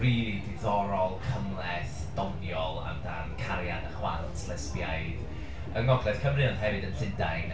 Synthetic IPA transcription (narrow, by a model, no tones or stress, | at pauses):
riidɪðɔɾɔlˠkʰəmlˠɛθ | d̥ɔnjɔlˠa̰mdankʰaɾja̰dəχwa̰lˠtʰləspja̰jð | əŋɔɡlɛθkʰəmrɨɔndɦɛvɨdənɬɪndajn